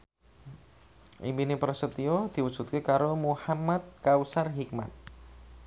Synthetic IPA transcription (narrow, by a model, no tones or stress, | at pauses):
ʔḭmbinepɾəsət̪iod̪̥i̤wud̥ʒ̥ṳt̪̚kekaɾomuhamat̪̚kausarɦik̚ma̰t̪̚